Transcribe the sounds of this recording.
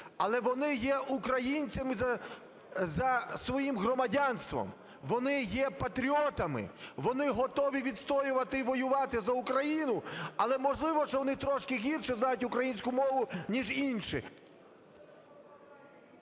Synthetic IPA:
ɐlˠɛʋɔnɪjɛʔukɾɐjinʲt͡sʲɐmɪzɐ | zɐsʋɔjimɦrɔmɐdʲɑnst̪ʋɔ̰m | ʋɔnɪjɛpɐt̪ɾʲiɔt̪ɐmɪ̰ʋɔnɪɦɔt̪ɔʋʲiʋʲid̪st̪ɔjʊʋɐt̪ɪiʋɔjʊʋɑt̪ɪzɐʊkɾɐjinʊɐlˠɛmɔʒlˠɪʋɔʃt͡ʃɔʋɔnɪt̪ɾɔʃkɪɦʲirʃɛznɑjʊtʲʊkɾɐjinʲsʲkʊmɔʋʊnʲiʒinʃɪ̰

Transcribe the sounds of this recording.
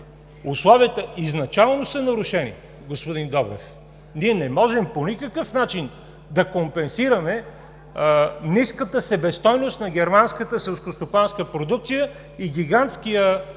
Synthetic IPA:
uslˠɔviət̪əiznɐt͡ʃalˠnosənɐɾʊʃɛnḭ | ɡospod̪ind̪ɔbɾɛ̰f | niɛnɛmɔʒɛmponikəkɤfnat͡ʃin | d̪ɐkompɛnsiɾəmɛ | niskət̪əsɛbɛst̪ɔjnost̪nɐɡ̟ʲɛɾmanskət̪əsɛlˠskost̪opanskəpɾod̪uk̚t̪sijə | iɡ̟ʲiɡant̪skijə

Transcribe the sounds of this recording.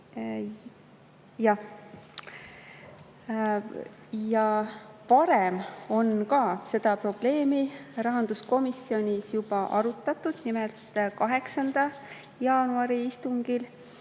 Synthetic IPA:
jɑ | jɑpɑɾe̞mo̞nkɑːse̞d̪̥ɑpro̞b̥le̞ːmirɑɦɑnd̪̥usko̞misːio̞nʲisjub̥ɑʔɑɾut̪ːˑɑt̪ːˑud̪̥nimelt̪kɑɦe̞ksɑnd̪̥ɑ | jɑːnuɑɾiist̪uŋɡ̥il

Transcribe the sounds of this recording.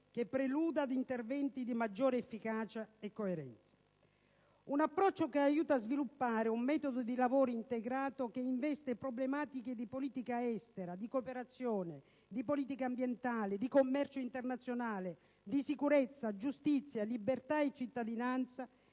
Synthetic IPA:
k̟epːɾeluːd̪ad̪int̪ervɛnt̪id̪imad͡ʒːɔːɾeɛfːikaːt͡ʃaekːoeɾɛ̰nt̪sḁ | unapːɾɔt͡ʃːokeajuːt̪aːzvilupːaːɾɪumːɛːt̪od̪od̪ilavoːɾiint̪eɡɾaːt̪ok̟eiɱvɛst̪epɾoblemaːt̪iked̪ipoliːt̪ikaɛst̪eɾad̪ikopeɾat̪sːjɔːne | d̪ipoliːt̪ikambjɛnt̪aːlɪd̪ikomːɛrt͡ʃoint̪ernat̪sːjonaːle | d̪isikuɾɛt̪sːad͡ʒust̪it̪sːjalibert̪aet͡ʃːit̪ːad̪inant̪sa

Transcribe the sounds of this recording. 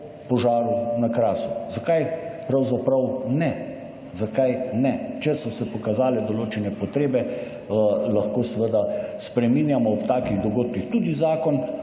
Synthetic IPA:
pɔʒaːɾunakɾaːsu̥zakajpɾawzapɾawnɛ | zakajnɛt͡ʃɛsɔsɛpɔkazaːlɛd̪ɔloːt͡ʃɛnɛpɔt̪ɾeːbɛ | laxkoːsʋəd̪aspɾɛminjamɔɔpt̪aːkiɣd̪ɔɡoːt̪kixt̪uːd̪izaːkɔn

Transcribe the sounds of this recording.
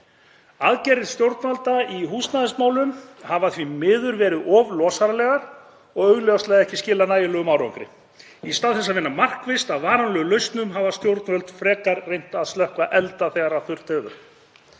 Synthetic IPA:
aðcɛrɪðst̪jowɾt̪nvalt̪aiɦuːst̪naðɪsmaːwlʏmhavaθvimɪːðʏɾvɛːɾɪðɔvlɔːsaɾalɛːɣaɾ̥ | ɔɣœɥɣljɔwst̪ɛːɣðɪɛhcɪscɪːlːanaːjɪlœːɣʏmawɾɔ̰wŋkɾɪ̰ | ist̪awðθɛs̬aðvɪnːamar̥kvɪst̪aðvaːɾanlœɣʏlœɥst̪nʏmɦavast̪jowɾt̪nvœlt̪fɾɛːkaɾrejn̥t̪aðst̪œhkvaʔɛlt̪aθɛɣaɾaθʏɾ̥t̪ɛːvʏ̰ɾ̥

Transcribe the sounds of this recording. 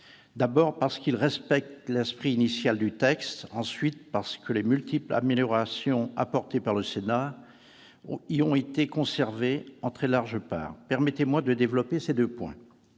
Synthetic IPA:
d̪abɔʁpaʁsə̥kilʁɛspɛk̚t̪lɛspχiːnisjald̪yt̪ɛkst̪ɑ̃sɥit̪̚paʁsə̥kəlemylt̪ipla̰meljɔʁasjɔ̃a̰pɔʁt̪epaʁləsena | iɔ̃et̪ekɔ̃sɛʁveɑ̃t̪χɛlaʁʒəpa̰ːʁpɛʁmɛt̪emwad̪əd̪evlɔpesed̪øpwɛ̰̃

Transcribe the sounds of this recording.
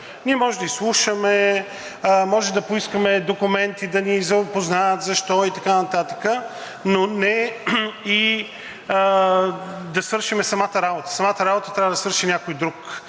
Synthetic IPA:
nʲiɛmɔʒɛd̪əislˠuʃəmɛ | mɔʒɛmd̪ɐpoiskəmɛd̪okʊmɛnt̪id̪ɐnizɐpoznajət̪zɐʃt̪ɔit̪ɐkanɐt̪at̪ə̥kə | nonɛ | i | d̪ɐsvəɾʃimɛsɐmat̪əɾabot̪ə̥sɐmat̪əɾabot̪ə̥t̪ɾʲavəd̪ɐsvəɾʃinʲakojd̪ɾuk

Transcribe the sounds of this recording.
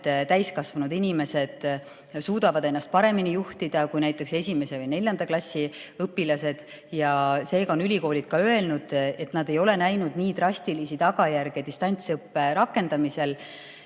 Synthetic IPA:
t̪æjskɑsvɑnud̪inʲime̞se̞d̪̥ | suːd̪ɑvɑd̪e̞nːɑst̪̚pɑɾe̞minijuht̪id̪̥ɑkujnæjt̪ːˑe̞kse̞sʲime̞se̞vɯjne̞lʲjɑnd̪̥ɑklɑsʲːiɤpːilɑse̞d̪̥ | jɑse̞ːɡɑonylʲiko̞ːlʲid̪̥̚kɑø̞e̞lnud̪̥e̞t̪ːˑnɑd̪̥e̞jo̞le̞næjnud̪̥niːd̪rɑsʲt̪ilisit̪ɑɡɑjærɡ̥et̪ist̪ɑnʲt̪sɤpːe̞ɾɑkːe̞nd̪ɑmise̞l

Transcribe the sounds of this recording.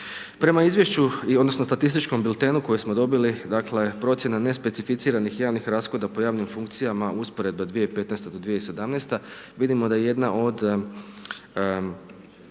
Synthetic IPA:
pɾe̞maizʋje̞ʃt͡ɕuiod̪nosno̞st̪at̪ist̪it͡ʃkombilˠt̪enuko̞jesmo̞d̪o̞bilid̪akle̞pɾo̞t̪sje̞nane̞spe̞t̪sifit̪siːɾanixjaːʋnixɾaːsko̞d̪apo̞jaːʋnimfuŋkt̪sijamaʔuspo̞ɾe̞d̪bad̪ʋijeipe̞t̪nest̪ed̪o̞d̪ʋijeise̞d̪amnest̪aʋid̪imo̞d̪ajeje̞d̪naʔo̞d̪

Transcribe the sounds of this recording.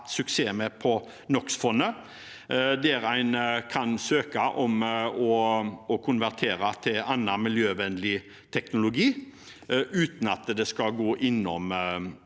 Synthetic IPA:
t̪sʉkseːmɛpʰɔ | nɔksfɔnːə | d̪ɛɾæɪnkʰɑnsøːkɑʔɔmɔɔkʰʊnʋæʁt̪ʰeːɾɑt̪ʰɪlɑnːɑmɪljøːʋɛnd̪lɪ | t̪ʰɛknʊlʊɡiː | ʔʉːt̪n̩ɑt̪d̪ɛskɑɡoːʔɪnːɔm

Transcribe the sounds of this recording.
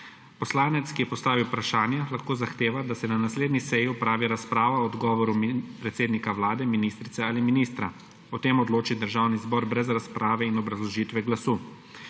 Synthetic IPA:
pɔslaːnɛt̪skijɛpɔst̪aːʋiwpɾaʃaːnjɛlaxkoːzaxt̪eːʋad̪asɛnanasleːd̪nisɛjiupɾaːʋiɾaspɾaːʋaɔd̪ɡɔːʋɔɾumpɾɛt̪seːd̪nikawlaːd̪ɛminiːst̪ɾit̪ɛaːliminiːst̪ɾa | ɔt̪eːmɔd̪loːt͡ʃid̪əɾʒaːwnizbɔɾbɾɛzɾaspɾaːʋɛinɔbɾazlɔʒiːt̪ʋɛɡlasuː

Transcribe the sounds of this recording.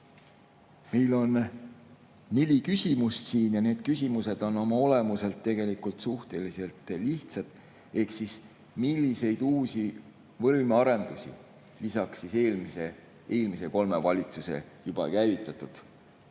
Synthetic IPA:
mejlo̞n | elʲikysʲimust̪siːnjɑne̞ːd̪̥kysʲimuse̞d̪̥o̞no̞mɑo̞le̞muse̞lt̪ːe̞ɡe̞likult̪suht̪e̞lise̞lt̪ːˑliht̪sɑd̪̥ | e̞hksis | milʲːise̞jd̪̥uːsi | vɤlmeɑɾe̞nd̪̥usʲḭ | lisɑksːise̞ːlmise | eːlmiseko̞lme̞vɑlʲit̪suse̞̰jub̥ɑ̰kæjvit̪ːˑɑt̪ud̪̥

